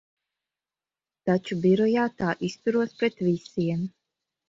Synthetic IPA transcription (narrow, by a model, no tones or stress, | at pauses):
t̪at͡ʃubiɾɔjaːt̪aːʔist̪uɾuɔspɾet̪vʲisiɛm